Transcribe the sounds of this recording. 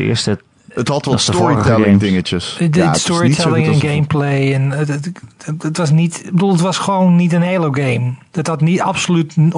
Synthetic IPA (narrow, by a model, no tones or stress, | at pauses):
ɪ̰əstə | əthɔtʋsəfɹitɛlɪŋdɪŋət͡ʃəsdstɔɹtʰɛlɪ̃ŋɛ̃nɡejmplejɛn | ətʋɑs̬nitbədulˠətʋɔsχəʋownːitənhejlˠowɡejm | əthɔtnita̰psolyt